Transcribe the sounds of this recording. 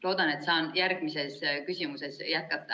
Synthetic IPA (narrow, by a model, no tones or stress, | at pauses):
lo̞ːd̪̥ɑne̞t̪sɑːnjærɡ̥mise̞skysʲimuse̞sjæt̪̚kɑt̪ːˑɑ